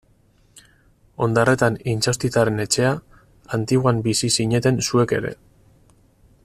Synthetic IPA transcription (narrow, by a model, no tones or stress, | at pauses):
o̞nd̪are̞t̪anint͡sawst̪it͡s̪aɾe̞ne̞t͡ʃe̞a | ant̪iɣwambisisiɲe̞t̪e̞nsue̞ke̞̰ɾe̞̰